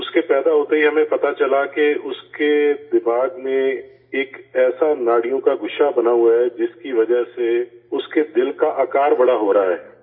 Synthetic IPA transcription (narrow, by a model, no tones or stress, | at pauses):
ʊskepɛːd̪aɦoːt̪eɦiɦɐmẽpɐt̪at͡ʃɐlakeʊsked̪ɪmaːɡmẽ | eːkɛːsanaːɽijõkaɡʱʊʃabɐnaɦuaɦɛd͡ʒɪskiʋɐd͡ʒəɦseʊsked̪ɪlkaʔaːkaːɾbɐɽaɦoːɾaaɦɛː